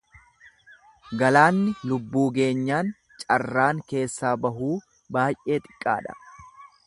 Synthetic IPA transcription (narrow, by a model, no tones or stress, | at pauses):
ɡɐlaːnːɪlʊbːuːɡe̞ːɲːaːn | t͡ʃʼɐrːaːŋke̞ːsːaːbɐɦuː | baːjʔʔe̞ːt̪ʼɪ̥kʼːa̰ːᶑɐ̥̰